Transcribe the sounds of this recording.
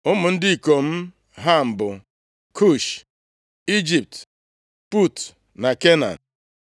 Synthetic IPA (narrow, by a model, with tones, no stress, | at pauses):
ʊ˦mʊ˨n̩˦dɪ˦i˨ko˨m̩˦ | ɦa˦m̩˨bʊ˨ | kʰu˦˨ʃ | i˦d͡ʒi˨p̚t | pu˦˨t | na˨ke˦na̰˨n